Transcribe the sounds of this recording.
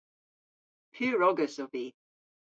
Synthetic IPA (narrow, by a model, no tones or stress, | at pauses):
pʰʉːɹɔɡəsɔvi